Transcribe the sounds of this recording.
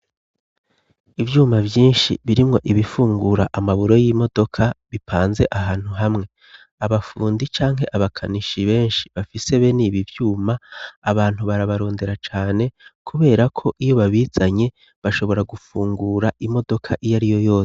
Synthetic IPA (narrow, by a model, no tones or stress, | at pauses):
ivjuːmavjiːnʃḭβiɾimŋo̞ʔiβifuːŋɡuɾaʔamaβuɾo̞jimo̞do̞kʰaβipʰaːnze̞ʔaɦaːn̥huɦamŋe̞ | aβafuːndit͡ʃaːŋɦe̞ʔaβakʰaniʃiβe̞ːnʃi̥βafiseβe̞niːβivjuːmaːβaːn̥huβaɾaβaɾo̞ːnde̞ɾat͡ʃaːne̞kʰuβe̞ːɾakʰo̞ʔijoβaβiz̥aɲe̞ | βaʃo̞βo̞ɾaɡufuːŋɡuɾaʔimo̞do̞kʰaʔijaɾijo̞jo̞ːse̥